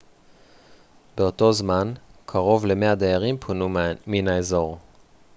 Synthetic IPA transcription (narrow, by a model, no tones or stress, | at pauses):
beoto̞zmankʰaʁo̞vle̞mead̪ejaʁimpʰonuminaezo̞ʁ